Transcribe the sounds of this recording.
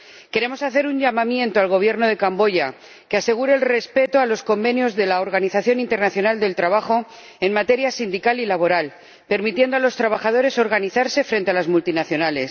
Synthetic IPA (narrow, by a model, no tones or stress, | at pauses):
ke̞ɾe̞mo̞saθe̞ɾuɲʝamãmjẽ̞nt̪oalɣ̞o̞β̞je̞ɾno̞ð̞e̞kambo̞ʝa | ke̞ase̞ɣ̞uɾe̞ːlre̞spe̞t̪oalo̞sko̞mbe̞njo̞zðe̞laoɾɣ̞aniθaθjo̞nint̪e̞ɾnaθjo̞nald̪e̞lt̪ɾaβ̞axo̞ | e̞nmat̪e̞ɾjasind̪ikalilaβo̞ɾal | pe̞ɾmit̪je̞nd̪oalo̞st̪ɾaβ̞axað̞o̞ɾe̞so̞ɾɣaniθaɾse̞fɾe̞nt̪e̞alazmult̪inaθjo̞nale̞s